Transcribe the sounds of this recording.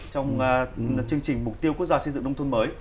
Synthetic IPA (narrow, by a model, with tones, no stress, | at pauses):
t͡ɕɔ˧wŋ͡m | t͡ɕɨ˧əŋt͡ɕï˨˩ŋ̟m˨˩k͡p̚t̪i˧əwku˦˥k̚zaː˧sə˧jzɨ̰˧˨ŋɗə˧ŋ͡mt̪ʰə˧nməː˨˦j